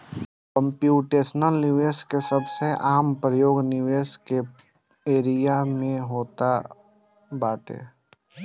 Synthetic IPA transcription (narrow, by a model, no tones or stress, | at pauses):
kə̃mpjuːʈeːsnəlnɪʋeːskesəbseʔaːmpɾəjoːɡnɪʋeːske | eːɾijamẽɦoːt̪a | baːʈḛː